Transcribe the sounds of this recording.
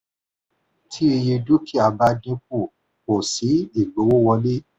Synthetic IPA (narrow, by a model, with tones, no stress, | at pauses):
tʰi˦e˧je˧du˦kʰi˦a˧ba˦dĩ˧˦p̚u˦˨ | ko˨si˨˦i˦˨ɡ͡bo˨˦wo˦wɔ˧le˦